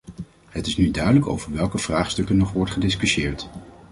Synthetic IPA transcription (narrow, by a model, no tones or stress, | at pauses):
ɦətɪsnydœɥdələko̰wvəɹʋɛlˠkəv̥raːχstɵkənːɔχʋɔɹtχədɪskyʃɪːɹt